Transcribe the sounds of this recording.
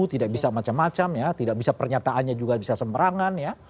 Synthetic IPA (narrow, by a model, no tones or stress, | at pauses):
ut̪idak̚bisamat͡ʃamːat͡ʃamjat̪idak̚bisapərɲat̪aʔːnɲad͡ʒuɡabisasəmbəɾaŋanja